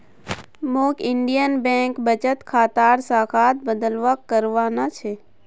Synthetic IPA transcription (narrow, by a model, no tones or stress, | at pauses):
moːkɪɳɖijənbẽːŋkbət͡ʃət̪kʰaːt̪aːɾsaːkʰaːt̪̚bəd̪əlʋakːəɾʋaːnat͡ʃʰeː